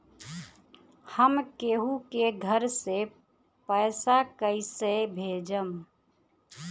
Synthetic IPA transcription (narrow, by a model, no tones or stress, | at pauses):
həmkeɦukeɡʱəɾse | pəɪsakəisebʱeːd͡ʒəm